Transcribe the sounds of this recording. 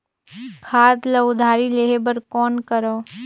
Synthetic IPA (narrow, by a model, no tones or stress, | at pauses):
kʰaːd̪lɐd̪ʱaːɾileːɦebəɾkɔːnkəɾoː